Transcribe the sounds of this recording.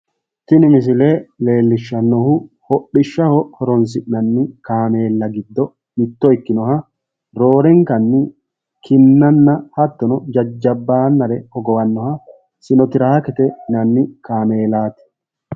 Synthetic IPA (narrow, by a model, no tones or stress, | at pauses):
t̪ɪnɪmɪs̬ɪleːle̞ːlːɪʃːɐnːɔhʊ | hɔɗːɪʃːɐhɔhɔɾɔns̬ɪnɐnːɪkaːme̞ːlːɐɡɪd̪ːɔ | mɪt̪ːɔɪkːɪnɔhɐ | ɾo̞ːɾɛŋkɐnːɪ | kʰɪnːɐnːɐhɐt̪ːɔnɔd͡ʒɐd͡ʒːɐbːaːnːɐɾɛhɔɡɔwɐnːɔhɐ | sɪnɔt̪ɪɾaːkɛt̪ɛnɐnːɪkaːme̞ːlaːt̪ɛ̥